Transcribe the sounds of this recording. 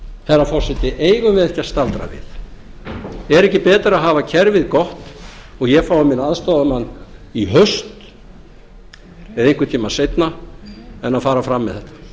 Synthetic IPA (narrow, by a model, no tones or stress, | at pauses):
θɛrːafɔr̥sɛt̪ɪʔeːjɣʏmvɪðɛhcḁst̪alt̪ɾa̰vɪ̰θ | ɛɾɛhcɪpɛːt̪aɾaðɦaːvacʰɛɾvɪðkɔht̪ | ɔɣjɛɣfaːwamɪnaðst̪oːðamanːiɦœst̪ | vɪðejŋkʏt̪ʰiːmasejt̪na | ɛnaðfaːɾafɾamːɪðɛht̪ḁ